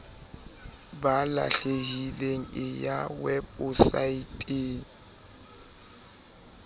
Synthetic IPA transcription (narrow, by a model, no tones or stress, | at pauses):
bala̰ɬeɦileŋ̩ɪjawɛbʊsaitʼeːŋ̩